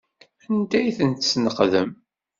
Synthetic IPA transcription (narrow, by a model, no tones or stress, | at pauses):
ænd̪æjθənt̪snəqðəm